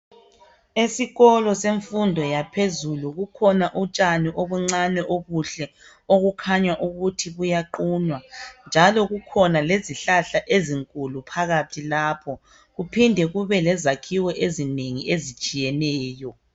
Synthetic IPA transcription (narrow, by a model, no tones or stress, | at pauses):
esiɣɔlɔseɱfundʱɔjapʰezuluɣukʰɔnaʔut͡ʃʼaniʔoβuŋ͡ǀanɛʔoβuɬɛ | oɣukʰaɲwaʔuɣutʰiβujaǃuːɲwand͡ʒʱalɔɣukʰɔnaleziɬaɬaʔeziŋkʼulupʰaɣatʰilaːpʰɔ | ɣupʰindʱɛɣuβɛlɛzakʰiwɛʔezineŋiezit͡ʃʼijɛnɛːjɔ